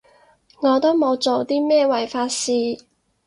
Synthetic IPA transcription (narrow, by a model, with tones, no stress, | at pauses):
ŋɔː˨˧t̪o˥wmo˨˧wt͡so˨wt̪iː˥mɛː˥wɐ˨˩jfaː˧tsiː˧